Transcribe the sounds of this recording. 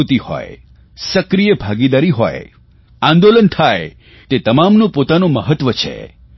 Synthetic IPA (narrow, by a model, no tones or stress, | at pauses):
ut̪ihɔ̰e | səkɾijəbʱaɡid̪aɾiɦɔ̰e | ãnd̪olənt̪ʰae | t̪et̪əmamnũpot̪anõməɦət̪ʋət͡ʃʰḛ